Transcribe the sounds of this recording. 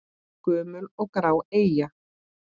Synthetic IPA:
kʏːmʏlɔɣkɾaːweːja

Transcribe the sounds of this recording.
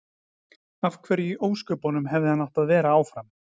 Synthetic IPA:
av̥kʰvɛːɾjiʔoːwskœpɔnʏmɦɛvðɪhanːawht̪aðvɛːɾaaːwfɾam

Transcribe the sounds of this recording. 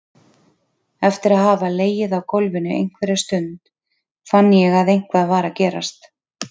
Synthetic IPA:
ɛft̪ɪɾaðɦaːvaleːjɪðawkʰolvɪnʏʔḛjŋ̥kvɛɾɪ̥st̪ʏnt̪ | fanːɪjɛɣaðejŋ̥kvaðvaːɾacɛːɾa̰st̪

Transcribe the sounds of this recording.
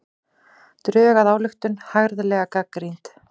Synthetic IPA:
t̪ɾœːɣaðaːwlʏxt̪ʏnhaɣɾðʏlɛːɣakakːɾijnt̪

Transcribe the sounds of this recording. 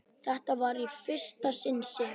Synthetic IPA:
θɛht̪avaɾifɪr̥st̪asɪnsɪ

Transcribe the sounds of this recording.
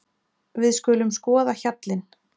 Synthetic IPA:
vɪðskʏːlʏmskɔːðaçat̪lɪn

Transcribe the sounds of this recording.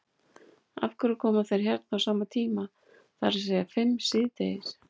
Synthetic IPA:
a̰fkʏɾʏkʰɔːmaθejɾ̥çjɛɾt̪̚nawsaːmat̪ʰiːma | θaɾɪsɛːɣafɪmːsɪðt̪ḛːjɪs

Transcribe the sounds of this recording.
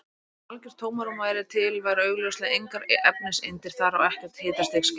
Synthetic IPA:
alcɛɾ̥t̪ʰoːwmaɾɔmaːjɾɪt̪ʰɪlvajɾœːɥɣlœwslɪaejŋkaɾɛp̚nɪsɪnt̪ɪɾ̥θaɾawɛhcɛɾ̥t̪hɪːt̪ḁst̪eks

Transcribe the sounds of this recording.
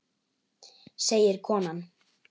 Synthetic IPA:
seːjɪɾkʰɔːnan

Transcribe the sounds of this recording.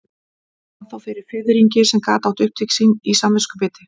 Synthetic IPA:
aθawfɪɾɪɾ̥fɪːðɪɾiɲcɪsɛmkaːt̪awt̪ʏhpt̪iksinisaːmːɪskʏpɪːt̪ɪ

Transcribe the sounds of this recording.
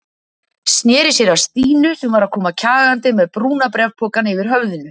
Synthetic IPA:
snjɛːɾɪsjɛɾast̪iːnʏsɛmvaɾaðkʰɔːmacʰaːɣant̪ɪmɛðpɾuːnapɾɛvt̪ʰɔːkanɪvɪɾ̥ɦœvðɪnʏ

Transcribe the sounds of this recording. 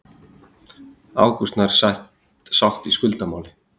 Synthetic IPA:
a̰ːwkust̪naɾ̥sajht̪ | sawht̪iskʏlt̪amaːwlɪ

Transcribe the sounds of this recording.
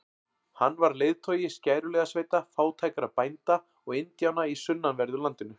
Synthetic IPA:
hanːvaɾlejðt̪ʰœːɥjɪscaːjɾʏlɛɣasveːjt̪afaːwt̪ʰaːjkaɾaðpajnt̪a | ɔɣɪnt̪jaːwnaisʏnːanvɛɾðʏlant̪ɪnʏ

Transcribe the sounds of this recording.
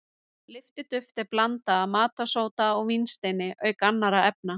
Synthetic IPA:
lɪft̪ɪt̪ʏft̪ɛɾplant̪aːmaːt̪asoːwt̪aɔɣminst̪ejnɪʔœːɥkanːaɾaɛp̚na

